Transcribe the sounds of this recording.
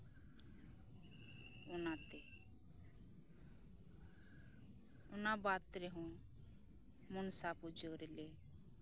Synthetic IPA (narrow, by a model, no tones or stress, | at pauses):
ʊnãt̪e | ʊnabaːt̪ɾeɦũ | mʊnsapud͡ʒoɾele